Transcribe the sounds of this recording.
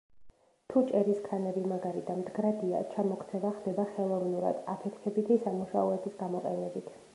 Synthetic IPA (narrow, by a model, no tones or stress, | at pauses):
t̪ʰut͡ʃʼɛɾiskʰanɛbimaɡaɾid̪amd̪ɡɾad̪ia̰t͡ʃʰamɔkʰt̪sʰɛbaχd̪ɛbaχɛlˠɔvnuɾa̰d̪apʰɛt̪ʰkʰɛbit̪ʰisamuʃaɔɛbisɡamɔqʼɛnɛbit̪ʰ